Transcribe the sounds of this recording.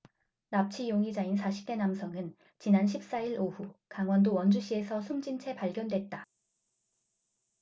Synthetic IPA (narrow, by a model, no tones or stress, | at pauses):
nap̚t͡ɕʰijoŋid͡ʑainsʰaɕʰi̥p̚t͈e̞namsʰʌŋɯn | t͡ɕinanɕ̬ʰip̚s͈aiɾoɸukaŋwʌndowʌnd͡ʑuɕʰie̞sʰʌsʰumd͡ʑint͡ɕʰe̞paɭɡjʌndwe̞t̚t͈a